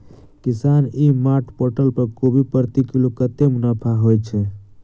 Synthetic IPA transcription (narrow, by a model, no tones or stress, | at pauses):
kɪsaːnimaʈʰpoʈəlpəɾkobʱipəɾt̪ikilokət̪emʊnapʰaɦojt͡ʃʰɛ